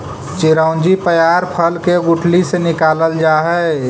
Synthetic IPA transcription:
t͡ʃiɾəʊ̃nd͡ʒipəjaɾpʰəlkeɡuʈʰlisenikaləld͡ʒaɦɛ

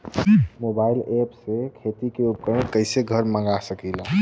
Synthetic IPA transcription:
mobaɪlepsekʰet̪ikeup̚kəmekəɪseɡʱəɾmə̃ŋɡasəkila

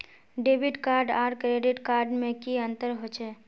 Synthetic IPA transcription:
ɖeːbɪɖkaːɾɖaːɾkɾeːɖɪʈkaːɾɖmẽkiə̃nt̪əɾɦot͡ʃʰɛː

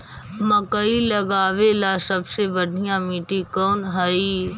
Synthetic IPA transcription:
mɐkəilɐɡaːʋelasɐbsebɐɖ̪ʱijãmiːʈikɔːnɦɐi

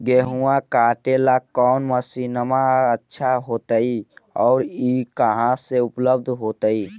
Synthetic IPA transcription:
ɡeɦuãkaʈelakɔʊnməsinəmaətːʃʰaɦot̪əiɔːɾikəɦãseupləb̚d̪ʱɦot̪əi

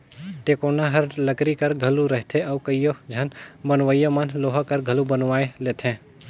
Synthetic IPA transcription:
ʈeːkoːnaɦɐɾləkɾikɐɾɡʱɐluɾəɦt̪ʰeɔːkəijod͡ʒʱɐnbənʋəjomənloːɦakɐɾɡʱɐlubənʋaːeleːt̪ʰẽ

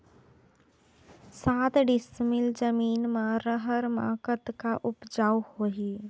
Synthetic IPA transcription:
saːt̪ɖɪsmɪld͡ʒəmiːnmãɾəɦəɾma̰ːkət̪kaʔʊpd͡ʒaːwhoːɦiː

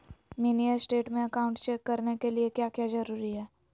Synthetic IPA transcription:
miniəsʈeːʈmẽɐkaːʊ̃ɳʈt͡ʃɛkːɐɾnekeliekjaːkjaːzɐɾuːɾiɦɛː

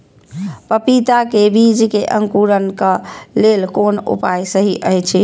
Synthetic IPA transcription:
pəpit̪akebid͡ʒkeʔə̰ŋkuɾənkəlelkonṵpajsəɦiʔəɦjt͡ʃʰi

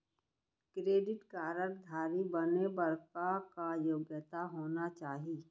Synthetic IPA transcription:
kɾeːɖɪʈkaːɾəɽd̪ʱaːɾibənebəɾkakajoːɡjət̪aɦoːnat͡ʃaːɦi

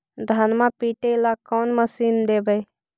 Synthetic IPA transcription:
d̪ʱɐnmãpiːʈelakɔːnməsiːnd̪eːbəj

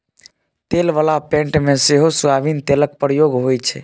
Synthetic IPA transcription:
t̪elʋalapẽɳʈmeseɦosuabint̪elək̚pɾəjoɡɦojt͡ʃʰɛ̰

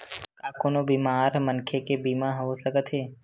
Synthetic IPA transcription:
kaːkonobiːmaːɾmənkʰekebiːmãɦoosəɡət̪ɦeː

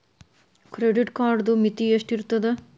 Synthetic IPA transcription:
kɾeɖiʈkaːɾɖd̪umit̪ːieʂʈiɾut̪ːɐd̪ɨ

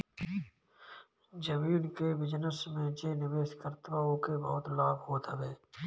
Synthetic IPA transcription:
d͡ʒəmiːnkeʋɪd͡ʒnəsmẽd͡ʒeːnɪʋeːʃkəɾt̪ʋaːõkebəɦʊt̪laːbɦoːt̪ɦəʋeː

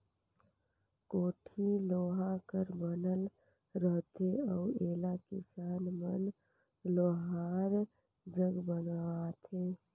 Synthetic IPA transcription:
koːʈʰiloːɦakəɾbənəl | ɾəɦt̪eəueːlakisaːnmən | loːɦaɾ | d͡ʒəɡbənat̪ʰe

